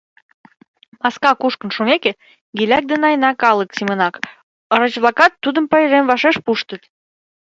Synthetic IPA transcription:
mɑskɑkuʃkə̆nʃumeke | ɡilʲæk̚d̪enɑjnɑkɑlə̆ksimə̆nɑk | əɾə̆t͡ɕβlˠɑkɑt̪ːud̪əmpəeɾemvɑʃeʃpuʃt̪ət̪

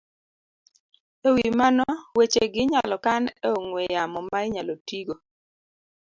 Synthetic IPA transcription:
ewimanɔwet͡ʃeɡɪɲalɔkaneoŋwejamɔmaɪɲalotiɡo

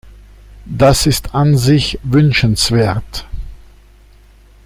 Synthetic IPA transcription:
d̥asɪstʰanzɪçvʏnʃənsv̥eːɐt

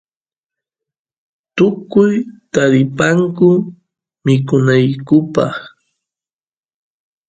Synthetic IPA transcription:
t̪ʊkʊjt̪aɾɪpaŋkʊ | mɪkʊnajkʊpɑ̰χ

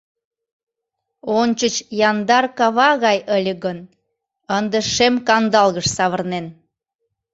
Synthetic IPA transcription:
ont͡ɕət͡ɕjɑnd̪ɑrkɑβɑɣɑjəlʲəɣən | ənd̪eʃemkɑnd̪ɑlɣəʃsɑβərnen

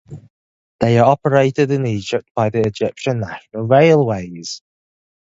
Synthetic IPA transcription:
ðeɪə˞ɔpəɹeɪʔɪdɪ̃niːd͡ʒɪp̚t̚b̥aɪðiɪd͡ʒɪpʃə̃nːaʃənəlˠɹeɪlˠweɪz̥

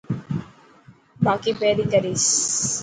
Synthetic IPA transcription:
baːkibeːɾikɐɾis

